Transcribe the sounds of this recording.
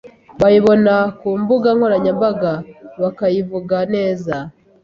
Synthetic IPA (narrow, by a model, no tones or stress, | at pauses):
βajiβo̞nakuːmbuɡaŋho̞ɾaɲambaɡaβakajivuɡane̞ːza